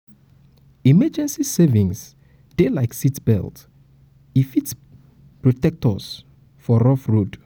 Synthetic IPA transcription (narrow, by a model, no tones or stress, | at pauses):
imɛd͡ʒɛ̃nsisɛvĩŋs | d̥elajksitbɛ̰lt | ifit | pɹɔtɛk̚tʰɔs | fɔɹɔfɹud